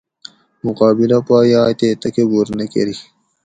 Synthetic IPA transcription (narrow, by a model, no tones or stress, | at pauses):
mʊqɑːbɪlapɑːjɑːt̪et̪akebuɾnekḛɾi